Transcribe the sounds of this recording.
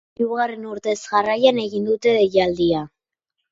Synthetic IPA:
uɣare̞nuɾt̪e̞zɣarajane̞ɣind̪ut̪e̞jald̪ia

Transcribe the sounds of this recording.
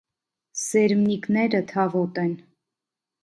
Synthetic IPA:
sɛɾmniknɛɾət̪ʰɑvɔt̪ɛn

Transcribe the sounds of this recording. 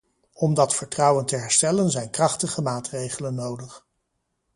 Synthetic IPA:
ɔmdɑtfəɹtrɑwəntəɦɛɹstɛlənzɛjnkrɑχtəχəmaːtrejχələnːowdəχ

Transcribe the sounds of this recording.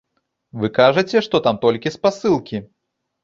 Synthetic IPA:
vɨkaʐɐt͡sʲɛʂt̪ɔt̪amt̪ɔlʲkʲispasɨlˠkʲi

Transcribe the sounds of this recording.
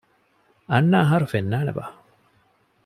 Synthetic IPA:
ɐnːaːɦaɾufenːaːnḛʋa̰ː

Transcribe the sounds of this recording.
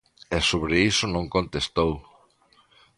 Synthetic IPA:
ɛsoβɾeisonõŋkõnt̪est̪ow

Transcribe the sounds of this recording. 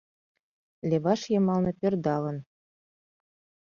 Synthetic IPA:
lʲeβɑʃjɤ̆mɑlnɤ̆pʲerd̪ɑlɤ̆n

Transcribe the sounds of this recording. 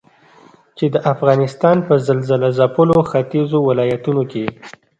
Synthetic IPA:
t͡ʃed̪əʔafɣɑnɪst̪ɑnpəzalzəlazapəloxat̪izowɪlɑjat̪unoke

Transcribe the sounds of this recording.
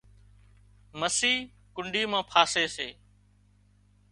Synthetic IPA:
məsiː | kʊɳɖiːmãːpʰaːseːseː

